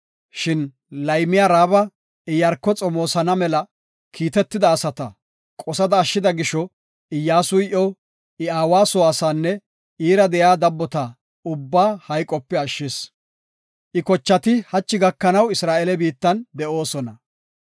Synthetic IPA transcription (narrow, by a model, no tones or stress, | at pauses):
ʃɪn | lɐjmɪjaːɾaːbɐ | ɪjɐɾkːɔt͡sʼɔmoːsɐnɐmɛlɐ | kʰiːt̪ɛt̪ːɪd̪ɐːsɐt̪ɐ | kʼɔsɐd̪ɐːʃːɪd̪ɐɡɪʃɔ | ɪjːaːsʊjɪʔɔ | ɪaːwaːsɔwaːsaːnːɛ | iːɾɐd̪ɛjaːd̪ɐbːɔt̪a | ʊbːaːhɐjkʼɔpːɛɐʃːɪs | ʔɪkɔt͡ʃːɐt̪ɪhɐt͡ʃːɪɡɐkːɐnɐwɪsɾaːʔelɛbiːt̪ːɐnd̪ɛʔo̞ːsɔnɐ